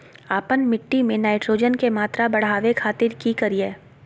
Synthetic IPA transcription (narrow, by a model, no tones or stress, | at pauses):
aːpənmɪʈːimẽnaːɪʈɾoːd͡ʒənkemaːt̪ɾabɐɽ̤aːʋekʰaːt̪ɪɾkikɐɾieː